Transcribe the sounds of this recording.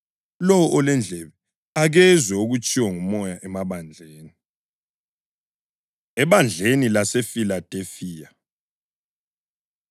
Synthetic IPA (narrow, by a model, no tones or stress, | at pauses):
lɔwɔʔɔlɛnd͡ɮʱɛβɛ | aɣɛzwɛuɣut͡ʃʼiwaŋumɔjaʔɛmaβand͡ɮʱeːni | ɛβand͡ɮʱenilasefilad̥ʱefiːja